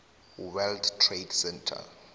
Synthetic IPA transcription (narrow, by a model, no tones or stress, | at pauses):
wɛldtʰːredsɛntʰa̰